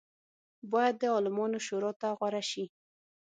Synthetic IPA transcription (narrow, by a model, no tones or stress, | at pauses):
bɑjad̪ːəɑlɪmɑnoʃoɾɑt̪aɣwaɾaʃi